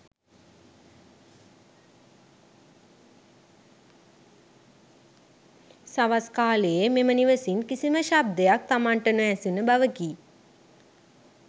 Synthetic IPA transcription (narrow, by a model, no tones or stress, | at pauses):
saʋaskaːlejəmeməniʋəsinkisiməʃab̚d̪ejak̚t̪amaɳʈənuæsunəbaʋəɡiː